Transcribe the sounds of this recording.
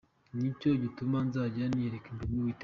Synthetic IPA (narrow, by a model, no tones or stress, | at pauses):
ɲicoɟitumanzaːɟanieɾekinduɡuwit